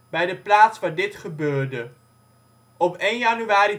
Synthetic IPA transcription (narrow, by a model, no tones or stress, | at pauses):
bɛjdəplaːtsʋaːɹdɪtχəbøːɹdə | ɔpejnjɑnyʋaːɾi